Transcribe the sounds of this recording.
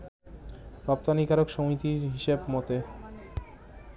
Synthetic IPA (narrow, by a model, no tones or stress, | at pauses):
pɾap̚t̪anikaɾokʃomit̪iɾɦiʃebmɔt̪e